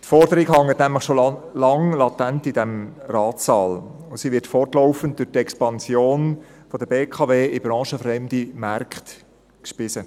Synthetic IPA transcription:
tfɔrd̥əɾiɡhɑŋːətnæmləχʃolɑŋlɑtæntidɛmrɑːtːɑːl | ʊsiʋɪɾtfɔrtlɔʊfən̩t̚d̥ʊʁtɛkspɑnsjoːnfɔd̥əb̥eːkʰɑveːɪbɾɑ̃ːʃəfɾɛmdimɑrkχt | kʃpɪsə

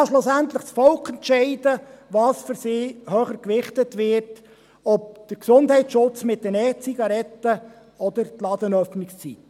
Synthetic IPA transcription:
ɑsloːsænt̪ləχsfɔlkʰɛntʃɛɪdəʋɑːsfʏɾsiːhøːχəɾkʋɪχtətʋɪɾt | ɔp̚d̥əɾksʊndhɛɪt͡sʃʊt͡smɪt̚dənɛːt͡siɡɑɾɛtːə | ɔd̥̪əɾtlɑd̪ənœfnɪkst͡sit

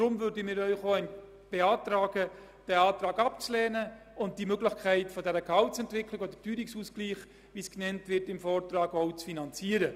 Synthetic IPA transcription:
d̥ɾʊmvʏɾdəmɪːɾœʏχoːɛn | b̥eɑːtɾɑːɡə | d̥ɛɑːtɾɑːɡɑpt͡slɛːnə | ʊnt̚d̥imøɡlɪχkʰæɪtfɔdɛɾəkhɑltsɛntʋɪkʰlɪkodətyːɾiksuːskliːχ | ʋiːsknɛntʋɪtɪmfɔːrtɾɑːɡɔʊt͡sfinɑnt͡siːəɾə

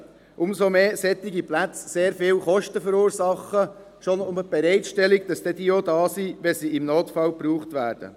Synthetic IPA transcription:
ʔʊmsomeːsɛt̪ɪɡiplæt͡sseːɾfɪːlχɔʃtəfəɾuːɾsɑχə | ʃonʊməb̥ɛɾɛɪtʃtɛliɡ̚d̥ɑsd̥ɛd̥iːodɑːsiʋɛsiɪmnoːtfɑlpɾuːχtʋæːɾd̥ə̰

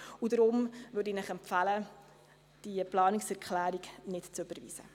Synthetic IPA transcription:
udɾʊmvøɾdiːnɪχɛmpfalə | d̥iəplɑːnɪksɛɾkχlæːɾiɡnɪtt͡søb̥əɾvḭːsə̰

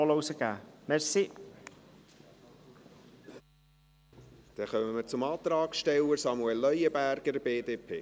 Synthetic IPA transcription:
ɔlowsəɡ̥a̰ːmɛɹsi | d̪̥ɛχœməməɾt͡sʊmɑːt̪ɾɑːksʃtɛwəɾsɑmuɛlːœjəbæɾɡ̥əɾbeːdeːpʰḛː

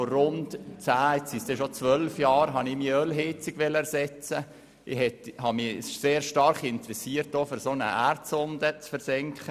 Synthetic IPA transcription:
forʊntt͡sæːɛsisdɛʃot͡sʋœlfjɑːɾɦɑnɪmiːœlɦɪt͡sɪɡ̥ʋɛlːəɛɾsɛt͡sə | ʔɪhɛthɑmiseːɾʃtɑɾχɪntəɾɛsiːəɾt̚doːfʏɾsonə̰ʔærtsʊndət͡sfəɾsɛŋkχə

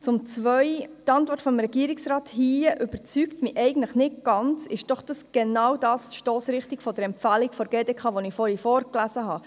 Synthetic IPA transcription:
t͡sʊmt͡sʋœʏtɑntʋɔrtfɔmɾɛɡiəɾiksɾɑːthiːəʔʏbəɾt͡syktmiʔɛɪɡən̩tləχnɪɡ̥ɑnt͡sɪʃd̥ɔχd̥ɑsɡ̥enɑwdɑːsʃtoːsɾɪχtikfɔdəɾɛmpfælikfɔɾɡeːdɛkχɑʋɔnɪfɔːɾifɔːɾklæzəɦɑ

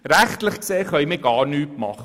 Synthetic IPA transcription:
ɾæχtləχkseːχœʏməɡɑːɾnyːpmɑχə

